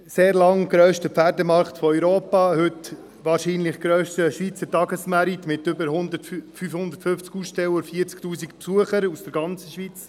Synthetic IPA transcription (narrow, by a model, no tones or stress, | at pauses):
seːɾlɑŋɡɾœːʃtəpfæɾdəmɑɾχtfɔœʏɾoːpɑhʏt | ʋɑːɾʃiːnlɪχɡ̥ɾøːʃtəʃʋiːt͡sətɑɡəsmæɾitmɪtʏbəɾɦʊnd̪ətffyːfhʊndəɾtfʏnft͡skusʃtɛwəfiːɾt͡sktuːsikpsuəχəɾusd̥əɾɡɑnt͡səʃʋiːt͡s